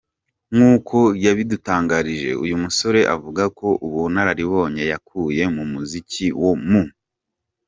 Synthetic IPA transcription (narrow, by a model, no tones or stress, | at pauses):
ŋuːkʰo̞jaβidutaːŋɡaɾiʒe̞̰ṵjumuso̞ɾe̞ʔa̰vuɡako̞ʔuβunaɾaɾiβo̞ːɲe̞jakʰuje̞mumuziciwomu